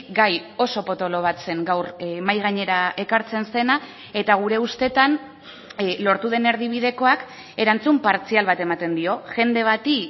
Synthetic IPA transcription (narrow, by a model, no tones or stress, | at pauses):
ɡajo̞so̞po̞t̪o̞lo̞β̞at͡se̞ŋɡawrmajɣ̞aɲe̞ɾaʔe̞kaɾt͡se̞nse̞na | e̞t̪aɣ̞uɾe̞ust̪e̞t̪an | lo̞ɾt̪uð̞e̞ne̞ɾðiβ̞ið̞e̞ko̞ak | e̞ɾant͡sumpaɾt͡sialβat̪e̞mat̪e̞nd̪io̞ʝe̞nd̪e̞β̞at̪i